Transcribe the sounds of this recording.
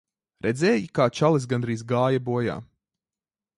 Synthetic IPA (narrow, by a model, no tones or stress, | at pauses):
ɾɛd̪zɛːjikaːt͡ʃalˠis̬ɡanɾiːzɡaːjabuɔja̰ː